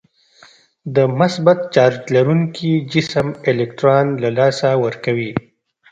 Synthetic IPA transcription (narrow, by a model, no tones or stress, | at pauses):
d̪əmʊsbat̪̚t͡ʃɑɾd͡ʒlaɾuŋkʰid͡ʒɪsmɪlɪkʈɾɑnlalɑsawəɾkawi